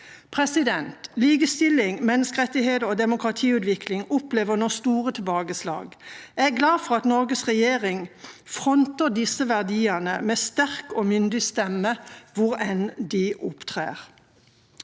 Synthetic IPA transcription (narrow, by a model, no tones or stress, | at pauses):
pʰʁɛsɪd̪ɛnt̪liːɡəst̪ɪlɪŋmɛnːəskəʁɛt̪ːɪheːd̪əʁod̪ɛmʊkʁɑt̪ʰiːʉːd̪ʋɪklɪŋʊpleːʋənoːst̪uːʁət̪ʰɪlbɑːɡəslɑ̰ːɡæɡlɑːfɔʁɑt̪nɔʁɡəsʁɛjeːʁɪŋfʁɔnt̪əd̪ɪsəʋæʁd̪iːənə̰mɛːst̪æʁkoːmʏnd̪ɪst̪ɛmːəʋʊʁɛnd̪ɪʔʊpt̪ʰʁḛːʁ